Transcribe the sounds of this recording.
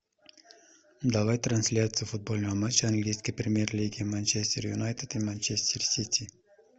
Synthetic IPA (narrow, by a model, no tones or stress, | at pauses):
d̪aʋajt̪ɾɐnʲsʲlʲat̪sɨjʊfʊd̪̚bolʲnɔʋɐmat͡ʃːɐɐnɡlʲijsʲkijpɾʲɪmʲjerlʲiɡʲimanʲt͡ʃesʲt̪ʲeɾjʊnajt̪et̪imanʲt͡ʃesʲt̪ʲersʲit̪ʲʰi